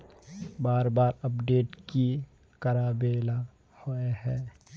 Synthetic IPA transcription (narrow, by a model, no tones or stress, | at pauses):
baːɾbaːɾɐpɖeːʈki | kɐɾaːbeːla | hoeɦɛː